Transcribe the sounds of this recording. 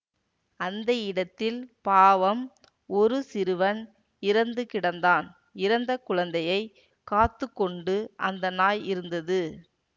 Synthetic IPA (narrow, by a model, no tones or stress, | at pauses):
ɐnd̪ɐɪɽɐt̪ːɪlpaːʋɐm | ɔɾɯsɪɾɯʋɐn | ɪɾɐnd̪ɯkɪɽɐnd̪aːn | ɪɾɐnd̪ɐkʊɻɐnd̪ɐjɐɪ | kːaːt̪ːɯkːɔɳɖɯʔɐnd̪ɐnaːjɪɾɯnd̪ɐðɯ